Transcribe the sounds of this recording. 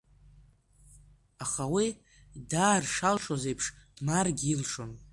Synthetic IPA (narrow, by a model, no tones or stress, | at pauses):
aχawi | daːrʂalʂoze̞jpʰʂd̥marɡʲilʂon